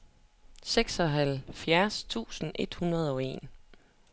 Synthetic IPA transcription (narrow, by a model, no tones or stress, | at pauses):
seɡ̥sɒ̽ɦælfjæɐst͡sʰṵːsn̩ʔe̝d̥hunʁɐð̞̩ˠɒ̽e̝̰ːn